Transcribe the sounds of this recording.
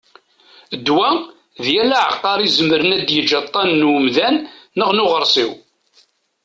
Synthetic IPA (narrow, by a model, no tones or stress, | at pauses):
əd̪ːwæ | ðjælaʕə̰qːɑɾˤizəməɾənæd̪jəd͡ʒɑt̪ˤːɑnːwmðænːəʁnʊʁəɾˤsiw